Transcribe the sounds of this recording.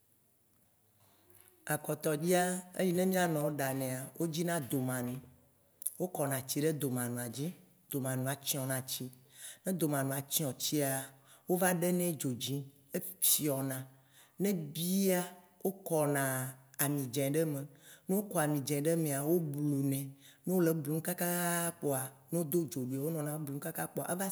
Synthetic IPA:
a˨kɔ˨t̪ɔ˨d͡ʑi˦a˦ḛ˦ji˦nɛ̃˦mĩ˦a˦nɔ̃˨o˦ɖa˨nɛ̃˨a˨wo˦d͡ʑi˦nã˦d̪o˨mã˨nũ˨ | wo˦kɔ˨nã˨t͡ɕi˦ɖe˦d̪o˨mã˨nũ˨a˨d͡ʑi˦ | d̪̥o˨mã˨nũ˨a˨t͡ɕi˦ɔ̃˨nã˨t͡ɕi˦nɛ̃˦d̪o˨mã˨nũ˨a˨t͡ɕi˦ɔ̃˨t͡ɕi˦a˨ | wo˦va˦ɖe˦nɛ̃˦d͡ʒo˨d͡ʑĩ˦ | e˦fi˦ɔ˨nã˨ | nɛ̃˦bi˦a˦wo˦kɔ˨nã˨a˨mĩ˨d͡ʒɛ̃˨ɖɛ˦mẽ˨nũ˦o˦kɔ˨a˨mĩ˨d͡ʒɛ̃˨ɖɛ˦mẽ˨a˨wo˦blu˨nɛ̃˨nũ˦wo˦le˨blu˨ŋũ˦ka˦ka˦k͡pɔ˦a˨nũ˦d̪o˦d͡ʒo˨ɖu˨e˨wo˦nɔ̃˨nã˦blu˨˦ũ˦ka˦ka˦k͡pɔ˦˨a̰˨ʔva˦

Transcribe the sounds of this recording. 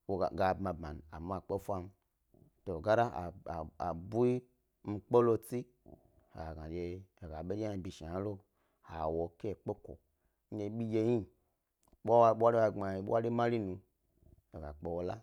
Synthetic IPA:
wo˨ɡa˨bma˨bma˨n˨a̰˨m˦a˨k͡pe˦fʷa˧m̩˦ | to˨ɡa˦ɾa˦˨a˨bu˦i˦ | m̩˦˧k͡pe˦lo˦˧t͡si˦ | ha̰˨ɡa˨d͡ʒeː˨ɡa˨ɓe˦a˦˨bi˨ʃa˨a˨˦lo˦ | ha˨wo˨ke˦˨k͡pe˦ko̰˨ | n̩˦d͡ʒe˨˧˦ɓi˦je˧ji˦ | ɓwa˨ɓa˦ɾi˦wa˧˨ŋ͡ma˨i˨˦ɓa˦ɾi˦ma˦ɾi˦nu˧ | e˨ɡa˨k͡pe˨wo˨˦la˦

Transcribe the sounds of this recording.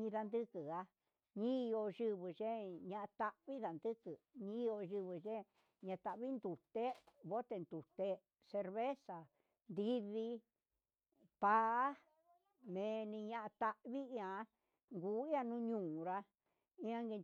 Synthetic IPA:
ɲĩ˧ða˧nd̪ɨ˦kɨ˨a˧ | ɲĩ˦˧o˧ʒɨ˧βɨ˨ʐe˦ɲã˧ʔa˧t̪a˧ʔβi˦ða˨nd̪ɨ˦kɨ˨ɲĩ˦˧o˧ʒɨ˧βɨ˧ʒe˦ | ɲã˧t̪a˧ʔβi˦nd̪u˨t̪e˦βo˦t̪e˧nd̪u˨t̪e˧ | se˧ɾβe˦sa˨ | nd̪i˦βi˧ | pa˦˧˦ | mẽ˨˧nĩ˧ɲã˧ʔã˧t̪a˧ʔβi˦˧ã˧˦ | ŋɡuː˨˦i˦ã˧nũ˦ɲũː˧˨ɾa˧ | ĩ˦ã˦ŋɡe˧

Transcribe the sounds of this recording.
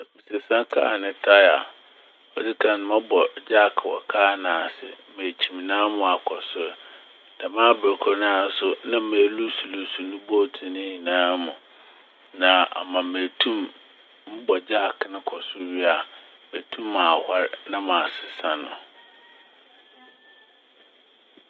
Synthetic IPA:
mĩ˨se˨sã˦kʰa̰˦˨nɪ̃˨tʰa˦a̰˨ | ɔ˨di˦kʰã˨ñ˦mã˦bɔ˨d͡ʑa˦˨kʰwɔ̰˨kʰaː˦nãː˨sɪ̰˨ | me˨t͡ɕʰi˨mi˨nãː˦mʊ̃˨a˨kʰɔ˨sʊ˦ɾ | nã˨mã˦bɛ˨kʰɔ˦nãː˦sʊ˦nã˦me˨lu˦su˨lu˨su˨nʊ̃˦bo˦˨tʰĩ˨nɪ̃˦ɲĩ˨nãː˦mʊ̃˨ | nã˨ʔa̰˨mã˨me˨tʰũ˦m | m̩˦bɔ˨d͡ʑa˦˨knʊ̃˦kʰɔ˨sʊ˦ɥi˦a˨ | me˨tʰũ˦mːãː˨ha˦ɾnã˦mã˨sɪ˨sã˦nʊ̰̃˨

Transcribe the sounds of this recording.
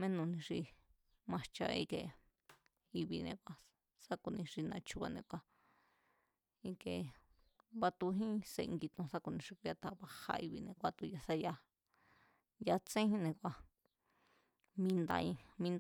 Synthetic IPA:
mẽ˦nũ˧nĩ˧ʂi˧ | mã˧t͡ʃa̰˧ḭ˦˧ke˧ | i˧βi˧nḛ̃˧kʷa˧ | sa˦ku˧nĩ˧ʂi˧nã˧t͡ʃu˧βa˧nḛ̃˧kʷa˧ | ĩ˧ke˧ | βa˧t̪u˧ɦĩ˦se˧ŋɡi˧t̪õ˧sa˦ku˧nĩ˧ʂi˧ku˧ja˧t̪a˧βa˧ha̰˧i˧βi˧nẽ˧kʷa˧t̪u˧ja˧sa˦ja˧ | ja˧t͡sẽ˦hĩ˦nẽ˧kʷa˧ | mĩ˧˦nd̪a̰˧ĩ˧mĩ˧n

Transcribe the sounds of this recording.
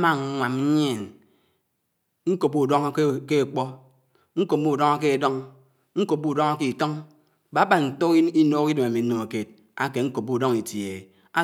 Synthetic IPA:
ma˦ŋ˦ŋʷa˨m̩˦ɲ˦e˨n | ŋ̩˦ko˨pːu˦˨dɔ˦ŋ˦ke˦˨k͡pɔ˦ | ŋ̩˦ko˨p̚mu˦˨dɔ˦ŋa˦k̬e˦˨dɔ˦ŋ | ŋ̩˦ko˨p̚ːu˦˨dɔ˦ŋa˦ki˨tɔ˦ŋ | ba˨˦ba˨nn̩˨to˦ki˦noː˦ki˦do˨ma˨mi˨n̩˦no˨ŋa˨ke˨t̚ | a˦ke˨ŋ̩˦ko˨p̚ːu˦˨dɔ˦ŋi˨tje˨ | a˦

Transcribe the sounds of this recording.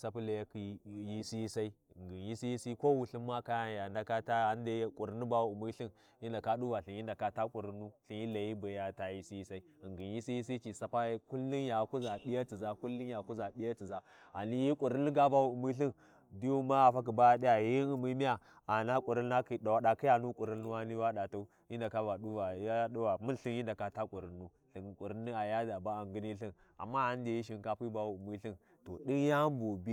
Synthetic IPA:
sa˦pu˦la˨ja˦ki˨˦˨ji˦si˦ji˦sa˦i˦˨ŋɡi˨nji˦si˦ji˦si˦ko˦wu˨ɬi˦mma˦ka˦ja˦ja˨nda˨ka˦ta˦a˨˦n˦de˦jkʷʼu˨ɾi˦nu˦ba˦wu˨u˨mu˦ɬi˦n | i˦nda˨ka˦ɗu˦wa˨ɬi˨ji˦nda˨ka˨ta˦kʼu˨ɾi˨˦nu˦˨ɬi˨nji˦la˨ji˦ba˨ja˨ta˨ji˦si˦i˦sa˦i˦˨ŋɡi˨nji˦si˦ji˦s̬i˦t͡ʃi˨sa˨pa˦jku˦lːi˦nja˨ku˦za˨bi˦ja˦t͡si˨za˦ku˦lːi˦nja˨ku˦za˨ɓi˦ja˦t͡si˨za˦ | a˨ni˦ji˦kʷʼu˨ɾi˦nːi˦ɡa˦ba˦wu˨u˨mi˦ɬi˦n | du˦ju˦ma˦a˨fa˦k̬i˨ba˦a˨di˦ja˨ji˦i˨mi˦mi˦ja˨ | a˨na˦kʼu˨ɾi˦n˦a˦ki˨ɗa˨wa˨ɗa˨ki˦ja˨nu˦kʼu˨ɾi˦nːu˦wa˦ni˦wa˦ɗa˨ta˦u˦ | ji˦n˦da˨ka˦va˨ɗu˦va˨a˦ɗu˦wa˨mu˦nɬi˦ji˦nda˨ka˨ta˦kʷʼu˨ɾi˨nːu˦ | ɬi˨n˨kʷʼu˨ɾi˦nːi˦a˨ja˦da˨ba˦a˨ŋɡi˦ni˦ɬi˦n | a̰˨mːa˦a˦n˦de˨ji˦ʃ̬i˨n˨ka˦pi˦ba˦wu˨u˨mi˦ɬi˦n | to̰˨ɗi˦nja˦m˦bo˨bi˦

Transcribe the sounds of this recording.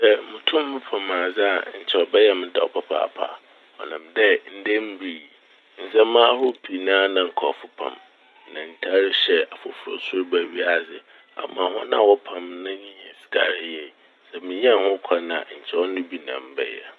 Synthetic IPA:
sɛ˦mʊ̃˨tʰʊ̃˦m˦ʊ̃˦pʰã˨mãː˨zɪ˦a˨ɲ̩˨t͡ɕʰɛ˨ɔ˨bɛ˦jɛ˦mɪ̃˦dɛ˨ɔ˨pʰa˦pʰa̰˨pʰa̰˨ | ɔ˨nɪ̃˨mdɛ˦n̩˦de˦m̩˦bi˨i˨ | n̩˨sɛ̃˦mãː˦hʊ˦pʰi˨nãː˦nã˨ŋ̩˨kʰɔ˨fʊ˦pʰã̰˨m | nã˨n̩˨tʰa˦ɾɪ˦ɕɛ˦a˨fʊ˨fʊ˨ɾɔ̰˦˨sʊ˦ɾbæ˨ɥi˦a˦˨zɪ˨ | a̰˨mã˨ɦʊ̃˦nã˨wɔ˦pʰã˨mnã˦ɲĩ˦ɲ˨ɛ̃˨si̥˨ka˨ɾɪ˦jɛ˨ | sɛ˨mɪ̃˨ɲ̃˦a˨hʊ̃˦kʷʰa˦nã̰˨ɲ̩˨t͡ɕʰɛ˦ɔ˦nʊ̃˦bi˦nã̰˨m˦bɛ̰˦jɛ̰˨

